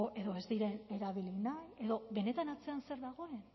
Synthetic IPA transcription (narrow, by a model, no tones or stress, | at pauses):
oʔe̞ðo̞e̞zd̪iɾe̞ne̞ɾaβilinaje̞ðo̞βe̞ne̞t̪anat͡se̞anse̞ɾðaɣ̞o̞e̞n